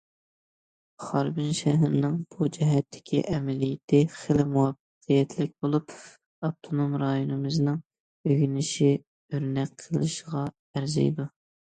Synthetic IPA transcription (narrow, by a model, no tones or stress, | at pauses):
χɑɾbɪnʃɛɦɪɾnɨŋb̥ud͡ʒɛɦɛt̪ʰːɪ̥kʲʰḭʔɛmɛlijɪt̪ʰɪχelɪmuwɑb | qʰijɛt̪ʰlɪkʲbolˠup | ɑb̚t̪ʰonomɾɑjonɨmɨznɨŋ | øɡʲnɪʃi | øɾnɛk̚ʲqʰəlˠɨ̰ʃəʁɑ | æɾzɛ̰jd̪u